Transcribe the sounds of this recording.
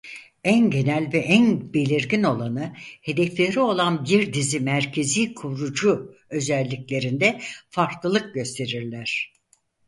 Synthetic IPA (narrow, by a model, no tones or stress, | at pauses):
ænɟe̞nælʲvɛʔænbe̞lʲiɾɟino̞lˠanɯhe̞d̪eflʲeɾio̞lˠanbiɾd̪izimæɾcʰe̞ziːkʰuɾud͡ʒuø̞zælʲːiclʲe̞ɾind̪ɛfaɾklˠɯlˠɯk̚ɟø̞st̪ʰe̞ɾiɾlʲæɾ̝̥